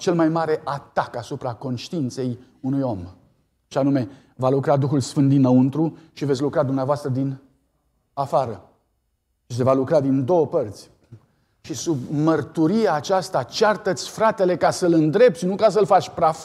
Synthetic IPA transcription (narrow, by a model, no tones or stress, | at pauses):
t͡ʃe̞lmajmaɾe̞ʔat̪akasupɾako̞nʃt̪iint̪se̞j | unujo̞m | ʃianume̞ | valukɾad̪uxulsfɨnt̪d̪inːəunt̪ɾuʃivet̪sʲlukɾad̪umneavoast̪ɾəd̪in | afaɾə | ʃis̬e̞valukɾad̪ind̪o̞wəpərt̪sʲ | ʃisubmərt̪uɾieaːt͡ʃast̪at͡ʃart̪ət̪sʲfɾat̪e̞le̞kasəlɨnd̪ɾe̞p̚t̪snukas̬əlfat͡ʃʲpɾa